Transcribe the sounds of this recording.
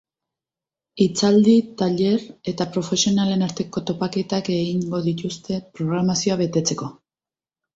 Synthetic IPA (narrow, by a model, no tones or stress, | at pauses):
it͡sald̪it̪aʎe̞ɾe̞t̪apɾo̞fe̞sio̞nale̞naɾt̪e̞ko̞t̪o̞pake̞t̪ake̞ɣiŋɡo̞ðit̪ust̪e̞pɾo̞ɣ̞ɾamasio̞aβe̞t̪e̞t͡se̞ko̞